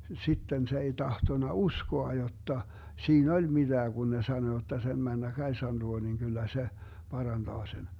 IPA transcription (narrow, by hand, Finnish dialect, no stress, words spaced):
sitːen se ei tɑhtonɑ uskoɑ jotːɑ siːn olʲ mid̥æː ɡ̊un ne sɑno jotːɑ sem mænːæ kɑisɑn luo niŋ kylːæ se pɑrɑnd̥ɑː sen